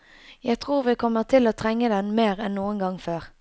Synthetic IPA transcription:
jæɪt̪ʰʁuːʁʋikʰɔmːəʁt̪ʰɪloːt̪ʰʁɛŋːəd̪ɛnmeːʁɛnnuːənɡɑŋføːʁ

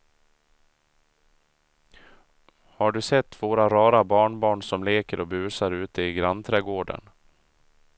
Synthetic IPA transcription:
haɖɵsɛt̪ːvoːɾaɾɑːɾabɑːɳbɑːɳsɔmleːkəɾʔɔbʉ̟ːsaɾʉ̟ːt̪əɪɡɾant̪ʰɾɛːɡoːɖə̰n

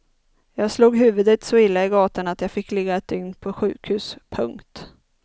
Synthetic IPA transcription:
jɑːɡsluːɡɦʉ̟ːvɵd̪ət̪sɔɪlːaɪɡɑːt̪anat̪jɑːfɪkːlɛɡːaɛt̪̚d̪ʏŋnpʰɔɧʉ̟̰ːkhʉ̟ːspʰɵŋkt̪

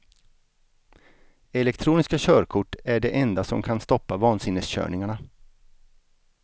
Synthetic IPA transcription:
ɛlɛkt̪ʰɾuːnɪskaɕœːɾkʰʊʈːæɖɛʔɛnd̪asɔmkʰanst̪ɔpːavɑːnsɪnːəsɕœ̰ːɳɪŋaɳa

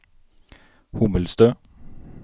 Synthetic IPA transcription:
hʊməlst̪øː

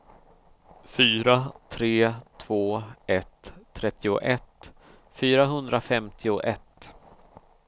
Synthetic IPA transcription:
fyːɾat̪ʰɾeːt̪ʰv̥oːɛt̪ʰːɾɛt̪ʰːɪʊ̰ʔɛt̪ | fyːɾaɦɵnd̪ɾafɛmt̪ʰɪʊʔɛt̪

